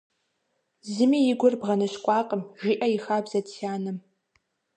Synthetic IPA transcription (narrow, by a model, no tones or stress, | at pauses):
zɨmiːjɪɡʷʊrbʁɐnɨʃkʷʼɑːqʼəmʒiʔɐjɪxaːbzɐtʰːaːnɨm